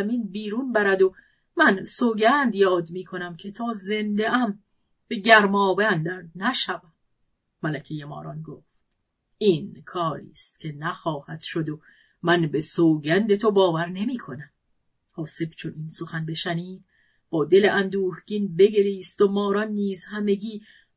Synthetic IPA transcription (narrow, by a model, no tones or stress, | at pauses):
miːnbiːɾuːnbæɾæd̪o | mænsoːɟænd̪jɒːd̪miːkʰo̞næmcʰe̞t̪ʰɒːze̞nd̪eʔæm | b̥e̞ɟæɾmɒːbænd̪ænæʃævæmː | ælækʰejemɒ̰ːɾɒnɡoːft̪ | inkʰɒːɾḭːst̪cʲʰe̞næxɒːhæd̪̥ʃod̪o | mænbe̞soːɡænd̪e̞t̪ʰobɒːvæɾne̞miːkʰo̞næm | hɒːse̞bt͡ʃʰoninso̞xænbe̞ʃæniːd̪̥̚ | b̥ɒːd̪e̞leʔænd̪uːhɡ̥inbe̞ɡe̞ɾiːst̪omɒːɾɒnːiːzhæme̞ɡiː